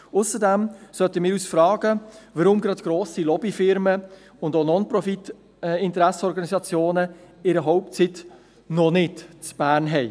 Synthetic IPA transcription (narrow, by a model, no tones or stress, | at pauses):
ʊsədɛmsœtəmɪːɾyːsfɾɑːɡ̥əʋəɾʊmɡɾɑtɡ̥ɾoːsilɔbifɪɾmə | ʊndonɔnpɾɔfit | ɪntəɾɛsəɔɾɡɑnisɑt͡sjoːnə | ɪɾəɦɔʊp̚t͡sit | nɔnɪtt͡sb̥æːɾnɦɛɪ